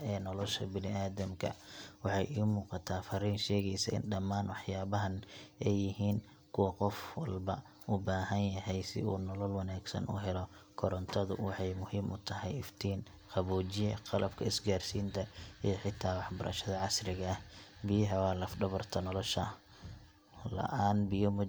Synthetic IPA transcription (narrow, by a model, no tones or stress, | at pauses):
ɛːnɔlɔʃɐ̰bɪnɪʔaːðɐmkʰɐ̰wɑħɑjʔiːmuːqɑt̪ʰaːfɐɾiːnʃɛːɣɛjsɐɪ̰nɖɐmːaːnwɑħjaːβɐɦɐnɛjːɪɦiːn | kʰʊwɐqɔfwɑlbɐ | ʔʊbaːɦɐnjɐɦɛjsɪ̰uːnɔlɔlwɑnaːɡsɐ̰nʔʊ̰ɦɛlɔkʰɔɾɔnt̪ʰɔðʊwɑħɑjmʊhiːmʔʊt̪ʰɐɦɛjɪft̪ʰiːn | qɑβuːt͡ʃɪjɛqɑlɐbkʰɐɪsɡaːrsiːnt̪ʰɐijɞħɪt̪ʰaːwɑħbɐɾʔɐ̰ʃɐðɐʕɑsrɪɣɐɐhbɪjɐɦɐwɑːlɐfɖɔβɔrt̪ʰɐnɔlɔʃɐ̰ | lɐ̰ʔaːnbɪjɔmʊ